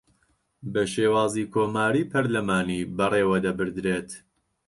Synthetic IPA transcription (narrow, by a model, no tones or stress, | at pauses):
bɐʃeːwaːziːkʰoːmaːɾiːpʰɐɾlɐmaːniːbɐreːwɐd̪ɐbɨɾd̪ɾeːt̪